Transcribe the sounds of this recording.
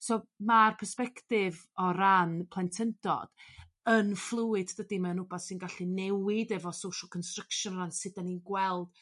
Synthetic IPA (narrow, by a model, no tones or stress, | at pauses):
somarpʰɛrspɛktɪvɔɾanpʰlˠɛntʰəndɔ̰d̥ | ənflˠʊɪddədimaənʊbɔθsɨnɡaɬinɛwɪdɛvɔsowʃəlˠkʰɔnstrəkʃɔnransɨdaninɡwɛlˠd̥